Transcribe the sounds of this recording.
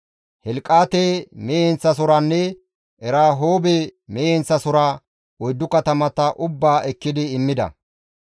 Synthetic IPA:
hɛlkʼːaːt̪emeːɛnt͡sːɐs̬ʊɾanːɛ | ʔɛɾaːɦoːbɛmeːɛnt͡sːɐsʊɾa | ɔjd̪ːʊkɐt̪ɐmɐt̪ɐʔʊbːaːʔɛkːɪd̪ɪːmːɪd̪ɐ̰

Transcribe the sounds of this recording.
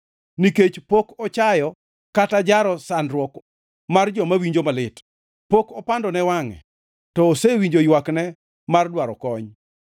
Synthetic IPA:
niket͡ʃpokɔt͡ʃajɔ | katad͡ʒaɾɔsanɾwɔk | mard͡ʒɔmawiɲd͡ʒomalɪt | pokɔpandɔnɛwaŋɛ̰ | tɔːsewiɲd͡ʒojwaknɛ | mardwaɾɔkɔɲ

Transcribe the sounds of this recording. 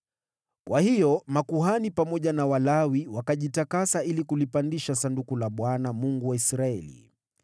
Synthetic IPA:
kwʔahijɔmakuɦanipamɔʄanawalawiwakaʄitakasailikulipandiʃasandukulaɓwanamuŋɡuwaisɾaɛ̰lḭ

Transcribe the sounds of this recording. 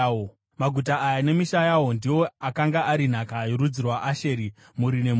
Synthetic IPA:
maɡʱut̬aajane̞miʃajawo̞ndiwo̞akaŋɡaʔaɾin̤akaiɾud͡zirwaʔaʃeːɾi | muɾine̞m

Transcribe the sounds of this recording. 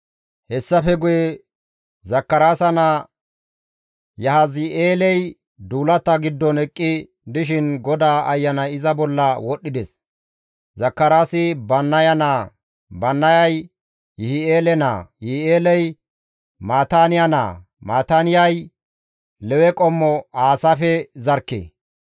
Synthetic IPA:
hɛsːɐfɛɡʊjɛ | zɐkːɐɾaːsɐna | jɐɦazɪʔeːlɛj | d̪uːlɐt̪ːɐɡɪd̪ːɔnɛkʼːɪ | d̪ɪʃ̬ɪnɡɔd̪aːʔɐjːɐnɐjɪzɐbɔlːɐwɔɗːɪd̪ɛs | zɐkːɐɾaːsɪbɐnːɐjɐnaː | bɐnːɐjɐj | jɪhɪeːlɛna̰ːjɪhɪeːlɛj | maːt̪aːnɪjana̰ː | maːt̪aːnɪjɐj | lɛwɛkʼɔmːɔaːsafɛzɐɾkːḛː

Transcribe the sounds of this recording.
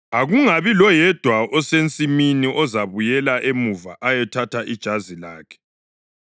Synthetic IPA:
aɣuŋaβilɔjɛd̥ʱwaʔɔsent͡sʼiminiʔɔzaβujɛlaʔemuva̰ʔajɛtʰatʰaʔid̥ʒ̥ʱazilaːkʰɛ̥

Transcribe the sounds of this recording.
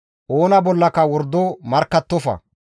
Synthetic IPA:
ʔoːnɐbɔlːɐkɐwɔɾd̪omɐɾkːɐt̪ːɔfɐ̰

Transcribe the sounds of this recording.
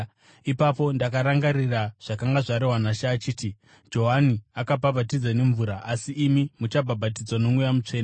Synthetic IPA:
ipapo̞ndakaɾaŋɡariraʐ̥akaŋɡaʐaɾeɦwanaʃaːt͡ʃiːti | d͡ʒo̞ɦaniakapabʱat̬id͡zane̞ɱvuɾaʔasiːmimut͡ʃabʱabʱat̬id͡zwano̞mujamut͡ʂe̞ːn

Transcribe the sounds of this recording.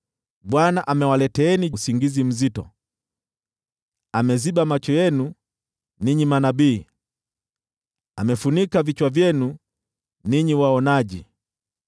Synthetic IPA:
ɓwanaʔamɛwalɛtɛːnisiŋɡizim̩zitɔ̰ | amɛzibamat͡ʃɔjɛnu | niɲimanabiː | amɛfunikavit͡ʃwavjɛnu | niɲiwaɔnaʄḭ

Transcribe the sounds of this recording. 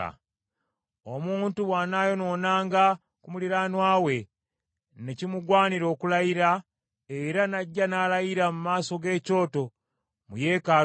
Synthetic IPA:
a̰ | omuːntuβwaːnaːjo̞no̞ːnaːŋɡa | kumuliɾaːnwaːwe̞ | ne̞cimuɡwaːniɾo̞ːkulajiɾa | e̞ɾanaɟːanalajiɾamumaːso̞ɡe̞ːco̞ːto̞ | muje̞ːkaː

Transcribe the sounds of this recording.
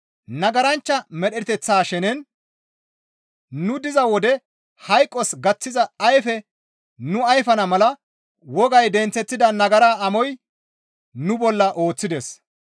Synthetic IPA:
nɐɡɐɾɐnt͡ʃːɐmɛɗɛt̪ɛt͡sːaːʃɛnɛn | nʊd̪ɪzɐwɔd̪ɛ | hɐjkʼːɔsɡɐt͡sːɪzɐɐjfɛ | nʊɐjfɐnɐmɐlɐ | wɔɡɐjd̪ɛnt͡sːɛt̪ːɪd̪ɐnɐɡɐɾaːɐmɔj | nʊbɔlːɐʔo̞ːt͡sːɪd̪ɛs

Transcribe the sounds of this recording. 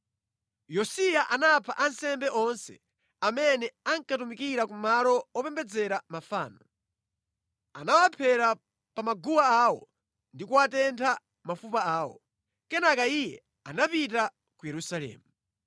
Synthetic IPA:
jɔsijaʔanapʰaʔansɛmbɛʔɔnsɛ̰ | amɛnɛaŋkatumikiɾakumalɔwɔpɛmbɛd͡zɛɾamafa̰ːnɔ | a̰nawapʰɛɾa | pamaɡuwaawɔ | ndikuwatɛntʰa | mafupaaːwɔ̰ | kɛnakaijɛ | anapita | kujɛɾusalɛ̰ːmu

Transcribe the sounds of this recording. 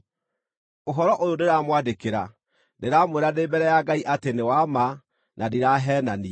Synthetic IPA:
oɦɔɾɔʔojoneɾaːmwadekeɾa | neɾaːmoeɾanebɛɾɛjaɡaiʔatenewama | nʔadiɾaɦɛnani

